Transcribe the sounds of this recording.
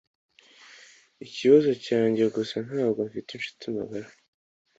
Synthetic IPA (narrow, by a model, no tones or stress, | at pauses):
iciβazo̞caːɲɟe̞ɡosanhaːbɡo̞ɱfitinʃu̥tima̰ɡaɾa